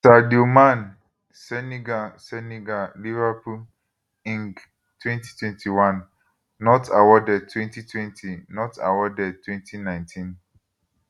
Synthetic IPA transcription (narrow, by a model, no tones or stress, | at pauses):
sadiomãn | sɛniɡasɛniɡalivapʰul | ĩŋɡ | tʰwɛ̃nti̥tʰwɛ̃ntʰiwãnː | ɔtʰawɔdɛd̚tʰwɛ̃ntitʰwɛ̃ntʰinɔta̰wɔdɛd̚tʰwɛ̃ntʰinãɪ̃ntʰĩn